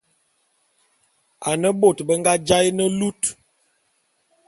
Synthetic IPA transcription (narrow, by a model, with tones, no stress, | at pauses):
a˨nə˦ɓo˨tbə˦ŋɡa˦d͡ʒa˦jnə˦lu˦t